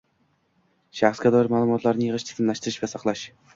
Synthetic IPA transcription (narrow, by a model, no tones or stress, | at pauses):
ʃæχskʲæd̪ɑɾɪmaːlˠumɒt̪lˠɑɾnɨjəʁəʃt̪ʰɨ̥zɨnlæʃt̪ɪɾɪʃvɛsɑqlˠɑʃ